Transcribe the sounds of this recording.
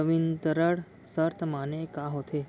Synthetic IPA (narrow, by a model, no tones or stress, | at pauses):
əʋint̪əɾəɽ | səɾt̪ʰmanekaɦot̪ʰe